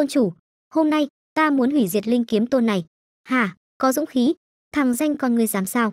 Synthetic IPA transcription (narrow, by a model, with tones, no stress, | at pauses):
o˧nt͡ɕu˧˩ | ho˧mna˧j | t̪aː˧mu˨˦ənhwi˧˩zi˨˩ət̚lï˧ŋ̟ki˨˦əmt̪o˧nːa˨˩j | haː˨˩ | kɔ˨˦zʊ̰˧˥ŋ͡mxi˨˦ | t̪ʰaː˨˩ŋza˧jŋ̟kɔ˨˩nŋɨ˨˩əjzaː˨˦msaː˧w